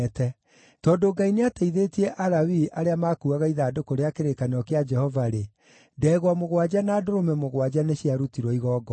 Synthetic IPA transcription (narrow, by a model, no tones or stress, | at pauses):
tɛ | tɔːdoɡaineateiðetiɛʔaɾawiaɾeamakuaɣaiðaːdokoɾeakeɾekaneɔkead͡ʒɛhɔvaɾe | dɛːɣwamoɣwad͡ʒanaːdoɾomɛmoɣwad͡ʒaneɕiaɾutiɾwɔiɣɔːɡɔ